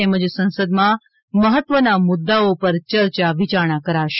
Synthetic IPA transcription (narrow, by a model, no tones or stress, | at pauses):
eməd͡ʒsə̃nsəd̪mã | məɦət̪ʋənamʊd̪ːaopəɾt͡ʃəɾt͡ʃaʋit͡ʃaɾɳ̃akəɾaʃ